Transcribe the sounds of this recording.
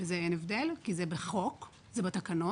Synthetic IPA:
ezeenevd̪elkizebeχo̞k | zebet̪akano

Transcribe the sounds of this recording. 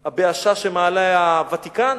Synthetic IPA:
abeaʃaʃemaːlaavat̪ikan

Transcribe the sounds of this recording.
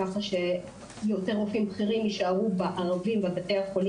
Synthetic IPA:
aχaʃe̞ | jote̞ʁofimbχiʁimjiʃaʁubaʔaʁavimvabateaχol

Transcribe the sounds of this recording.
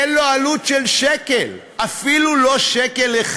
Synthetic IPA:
loalutʃelʃekel | ʔafilulo̞ʃekeleχ

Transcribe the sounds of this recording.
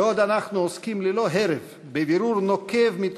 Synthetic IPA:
od̪anaχnuoskimlelo̞ɦeɾev | beviɾuɾnokevmit̪

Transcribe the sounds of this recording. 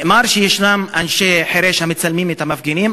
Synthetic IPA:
maɾʃejeʃnamanʃeħeɾeʃhamet͡salmimet̪amafɡenim

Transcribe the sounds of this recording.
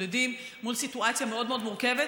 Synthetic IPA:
ed̪imː | ulsit̪uat͡sjameo̞d̪meo̞d̪muʁkeve

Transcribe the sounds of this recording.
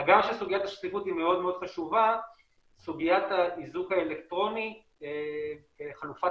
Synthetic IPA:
ɡamʃesuɡijat̪aʃtifutime̞o̞dmeo̞d̪χaʃuva | suɡijat̪aizukaelekt̪ʁo̞ni | e | eχalufa

